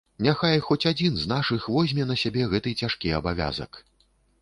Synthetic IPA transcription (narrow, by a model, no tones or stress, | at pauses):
nʲaxajxɔt͡sʲad͡zʲinznaʂɨxvɔzʲmʲɛnɐsʲabʲɛɣɛt̪ɨt͡sʲaʂkʲiɐ̰bavʲa̰zɐ̰k